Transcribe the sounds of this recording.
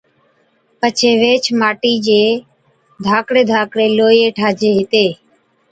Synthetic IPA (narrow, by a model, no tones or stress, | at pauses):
pət͡ʃʰeːʋeːt͡ʃʰmaːʈiːd͡ʒeː | d̪ʱaːkɽeːd̪ʱaːkɽeːloːjeːʈʰaːd͡ʒeːɦɪt̪eː